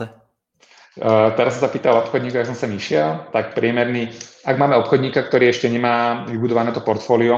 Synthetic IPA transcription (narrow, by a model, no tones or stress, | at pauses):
t̪ɛɾas̬ɔmsapiːt̪alɔpxɔd̪ɲiːkɔaks̬ɔmsamiʃɪɛlt̪ak̚pɾɪɛmɛɾniːaɡ̚maːmɛɔpxɔd̪ɲiːkakt̪ɔɾiːɛʃcɛɲɛmaːʋibud̪ɔʋanɛːt̪ɔpɔɾt̪fɔːliɔ